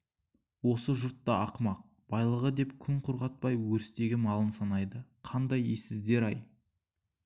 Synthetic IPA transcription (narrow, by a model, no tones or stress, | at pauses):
wo̞səʒʊɾt̪ːɑɑqmɑq̚ | b̥ɑjlˠəʁəd̪e̞pkʲʰʏŋqʰʊɾʁɑt̪̚pɑjwɵɾɪst̪e̞ɡʲɪmɑlˠənsɑnɑjd̪əqʰɑnd̪ɑjesɪzd̪e̞ɾɑj